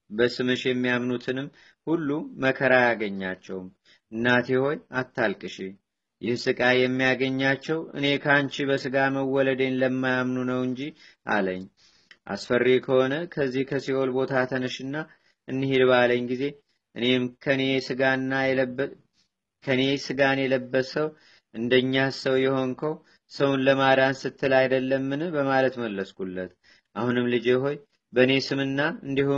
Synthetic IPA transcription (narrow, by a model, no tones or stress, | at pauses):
bəsɨmɨʃjɛmːijamnut̪ʰɨnɨmː | hulːuməkʰəɾajaɡəɲːat͡ʃːɛwm | ɨnːat̪ʰeho̞jat̪ʰːalkʼɨʃe | jɪhsɨkʼajɛmːijaɡəɲːat͡ʃːɛwɨ̰ne̞kʰant͡ʃibəsɨɡaməwːɔləd̪e̞nləmːajamnunəwɨɲd͡ʒi | ʔa̰ləɲː | ʔa̰sfərːekʰəho̞nəkʰəzːihkʰəsiho̞lbo̞t̪ʰat̪ʰənɨʃɨnːa | ʔɨnːɨhid̪baləɲːɡize̞ | ʔɨne̞mkʰəne̞sɨɡanːajɛb | kʰəne̞sɨɡanjɛləbːəsəw | ʔɨnd̪əɲːasəwjɛho̞ŋkʰəw | səwnləmaɾansɨt̪ʰːɨlajd̪əlːəmːɨnɨbəmalət̪məlːəskulːət̪ | ʔahunɨmlɨd͡ʒeɦo̞j | bəne̞sɨmɨnːaɨnd̪ihu